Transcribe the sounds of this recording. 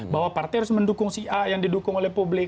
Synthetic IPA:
bawapart̪ɛjɾʊsməndukʊŋsiʔajaŋdidukʊŋolɛhpublɪ

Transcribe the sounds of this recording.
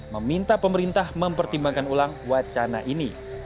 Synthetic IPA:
məmint̪apəməɾint̪ahməmpərt̪imbaŋkanulaŋwat͡ʃana̰ʔini

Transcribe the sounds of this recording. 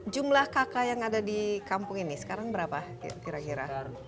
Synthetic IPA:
d͡ʒumlahkakajaŋadadikampʊŋinisə̥kaɾaŋbəɾapa | kiɾakiɾa̰

